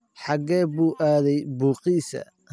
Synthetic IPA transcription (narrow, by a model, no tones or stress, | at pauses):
ħɑɡɛːbuːʔaːðɛjbuːqiːsɐ̰